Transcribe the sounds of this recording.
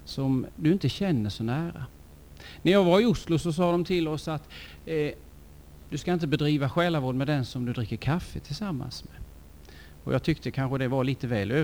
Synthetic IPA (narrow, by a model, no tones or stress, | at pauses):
sɔmd̪ɵɪnt̪əɕɛnːəʂɔnæːɾa̰ | næɾjɑːɡvaɾɪʊslʊsɔs̬ɑːd̪ɔmt̪ʰɪlɔsat̪ | d̪̥ɵskaɪnt̪əbɛd̪ɾiːvaɧɛːlavoːɖ̪mɛd̪ɛnsɔmd̪ɵd̪ɾɪkːəɾkʰafːət̪ʰɪlsamːa̰nsmɛ | ɔ̰jɑ̰ɡt̪ʰʏkt̪əkʰanɧəd̪ɛvaɭiːt̪əvɛːløː